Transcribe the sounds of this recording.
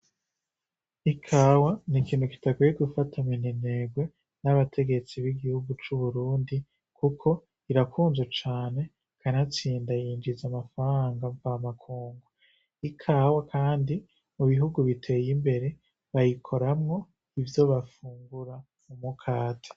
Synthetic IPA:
ikʰaːwanikiːn̥huki̥takejeɡufatʰaminine̞ɡwe̞ | naβatʰe̞ɡe̞t͡siβiɡihuɡut͡ʃuβuɾuːndi | kʰukʰo̞ | iɾakʰuːnzwet͡ʃaːne̞ | kʰanat͡siːndajiːnd͡ʒizamafaɾaŋɡaɱvamakʰuːŋɡu | ikʰaːwakʰaːndi | muβiɦuɡuβitʰe̞jimbe̞ɾe̞ | βajikʰo̞ɾamŋo̞ | ivjo̞βafuːŋɡuɾa | mumukʰaːte̥

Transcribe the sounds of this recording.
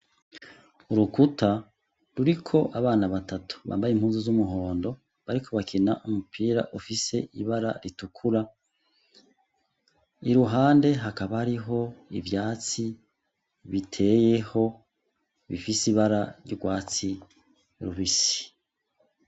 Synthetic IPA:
uɾukuta | ɾuɾikʰo̞ʔaβaːnaβatatu̥βa̰ːmbajimhuːnzozumuɦoːndo̞ | βaɾikʰo̞βakʰina̰ʔumupʰiːɾa̰ʔufise̞ʔiβaɾa̰ɾitukʰuɾa | iɾuɦaːnde̞ɦakaβaaɾiɦo̞ḭvjaːt͡si | βitʰe̞je̞ho̞ | βḭfisiβaɾa̰ɾjuɾɡwaːt͡si | ɾuβisi̥

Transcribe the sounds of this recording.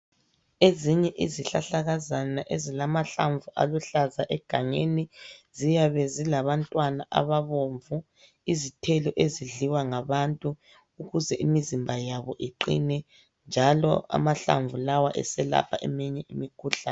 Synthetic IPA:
eziɲɛʔiziɬaɬaɣazanaʔezilamaɬaɱvuʔa̰luɬazaʔɛɡ̥ʱaŋenizijaβɛzilaβantʼwanaʔa̰βaβoɱvu | izitʰɛlɔʔeziɮiwaŋaβantʼuː | ɣuzɛʔimizimbʱajaβɔ̰ʔiǃḭnɛ | nd͡ʒʱalɔ̰a̰maɬa̰ɱvulawaʔɛ̰sɛla̰pʰa̰ʔɛmiɲɛimikʰuɬanɛ

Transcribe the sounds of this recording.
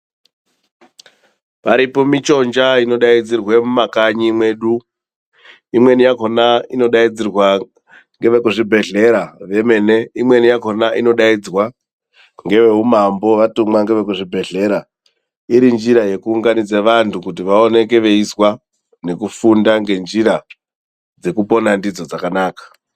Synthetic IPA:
paɾipo̞mit͡ʃo̞nd͡ʒaino̞ɗaid͡zirwemumakaɲimwe̞ɗu | imwe̞nijakonaino̞ɗaid͡zirwa | ŋɡe̞ʋekuʐibʱe̞ɮe̞ɾaʋe̞me̞ne̞imwe̞nijako̞naʔino̞ɗaid͡zwa | ŋɡe̞ʋe̞ɦumambo̞ʋatumwaŋɡe̞ʋek̬uʐibʱe̞ɮe̞ɾa | iɾind͡ʒiɾaje̞kuːŋɡanid͡zeʋantʰukut̬iʋao̞ne̞ke̞ʋe̞iswa | ne̞kufundaŋɡe̞nd͡ʒiɾa | d͡ze̞kupo̞nandid͡zo̞d͡zakanaːkḁ

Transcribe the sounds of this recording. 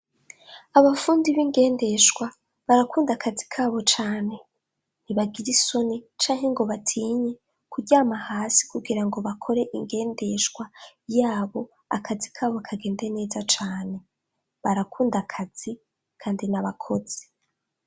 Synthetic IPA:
aβafuːndiβiŋɡe̞ːnde̞ʃɡwa | βaɾakuːndakʰazi̥kʰaːβo̞t͡ʃaːne̞ | niβaɡiɾiso̞nit͡ʃaːŋhe̞ŋɡo̞βatʰiːɲe | kuɟaːmahaːsi̥kuɡiɾaŋɡo̞βakʰo̞ɾe̞ʔiŋɡe̞ːnde̞ʃwajaːβo̞ | akʰazikʰaːβoakʰaɡe̞ːnde̞ne̞ːzat͡ʃaːne̞ | βaɾakuːndakʰaz̥i | kʰaːndinaβakʰo̞z̥i̥

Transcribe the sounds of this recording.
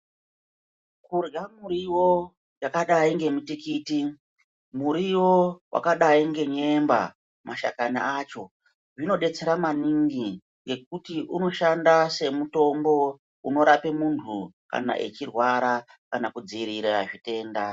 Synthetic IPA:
kurɡamuɾiwo̞ | jakaɗaiŋɡe̞mitikiti | muɾiwo̞wʔa̰kaɗaiŋɡe̞ɲe̞mba̰ | maʃa̰kana̰at͡ʃo̞ | ʐino̞ɗe̞t͡se̞ɾamaniŋɡi | ŋɡe̞k̚utiʔuno̞ʃandase̞muto̞mbo̞ | uno̞ɾape̞muntʰuka̰na̰ʔet͡ʃirwaɾa | kanakud͡ziiɾiɾaʐite̞ːnda

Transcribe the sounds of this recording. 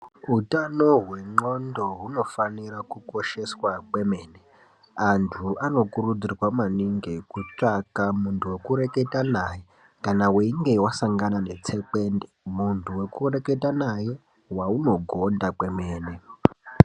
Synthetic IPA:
utano̞ɦwe̞ŋ͡ǃo̞ndo̞ɦuno̞faniɾakuko̞ʃe̞swakwe̞me̞ːne | antʰuano̞kurud͡zirwamaniŋɡekut͡ʂakamuntʰuwe̞kuɾe̞ke̞tanaje | kanaweiŋɡe̞wasaŋɡanane̞t͡se̞k͡pe̞ːndemuntʰuwe̞kure̞ke̞tanaje | wauno̞ɡʱo̞ndakwe̞me̞ːne

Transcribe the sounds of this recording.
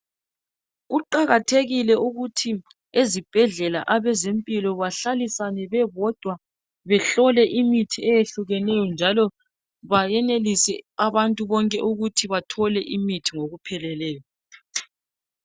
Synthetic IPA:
ɣuǃaɣatʰeɣilɛuɣutʰi | ezib̥ʱɛɮɛla̰ʔaβɛzempʼilɔβaɬalisanɛβɛβɔd̥ʱwa | βɛɬɔlɛʔimitʰiɛjeɬuɣɛnɛjɔnd͡ʒʱalɔ | βajɛnelisɛ̰aβantʼuβɔŋkʼɛʔuɣutʰiβatʰɔlɛʔimitʰiŋoɣupʰɛlɛlɛːjɔ

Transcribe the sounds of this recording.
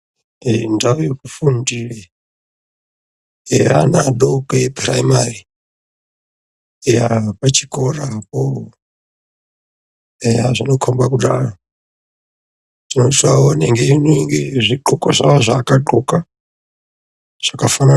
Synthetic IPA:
ɛndaujokufundiɺɛ | a̰nadokʼɛpʰʼra̰imari | ɛapat͡ʃʰikʼoɾapo | ɛazʷinokʰombakuda̰a | dinotʰaonɛŋɡeiniŋɡezʷiǃukʼazʷawazʷakʼaǃukʼa | z̥ʷakafana

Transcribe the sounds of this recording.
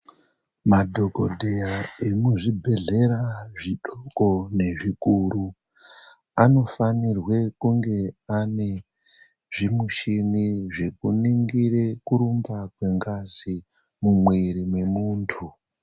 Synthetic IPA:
madʱo̞ko̰dʱejaemuʐibʱe̞ɮe̞ɾaʐiɗoko̞ne̞ʐikuru | ano̞fanirwe̞kuŋɡe̞ane̞ | ʐ̥imuʃiniʐe̞kuniŋɡire̞kuɾumbakwe̞ŋɡasi | mumweɾimwe̞muːntʰu

